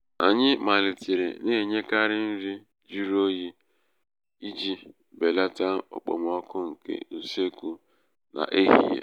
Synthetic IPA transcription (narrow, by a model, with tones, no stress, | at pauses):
a̰˨ɲɪ˦ma˨lɪ˨ti˨ɾḛ˨ne˦˨ɲe˦ka˦ɾɪ˦n̩˦ɾi˦ | d͡ʒi˦ɾo˦ji˦ | i˦d͡ʒi˦ | be˨la˦ta˦ɔ̰˨k͡po̰˨m˨ɔ˦kʊ˦ŋ̩˨kḛ˦n̩˨se˦ku˦ | na̰˨ʔe˦ɦḭ˦jḛ˨